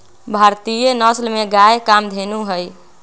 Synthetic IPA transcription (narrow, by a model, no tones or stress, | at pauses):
bʱaɾt̪ijenəslmeɡajekamd̪ʱenuɦəj